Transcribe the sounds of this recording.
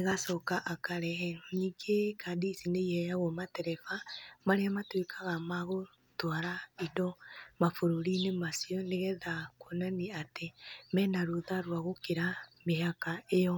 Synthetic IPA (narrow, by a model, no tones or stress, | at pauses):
neɣasɔkaʔakaɾɛɦɛɾɔniːŋɡekʰadisineihɛjaɣɔmatɛɾɛfamaɾeamatwekʰaɣamaɣo | twaɾaidɔmafoɾoɾinemasiɔneɣɛðakwonaniatemɛːnaɾoðaɾwaɣokeɾameɦakaejɔ